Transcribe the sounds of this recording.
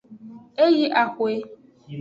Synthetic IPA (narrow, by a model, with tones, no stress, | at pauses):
e˦ji˦ʔa˨kʷe˦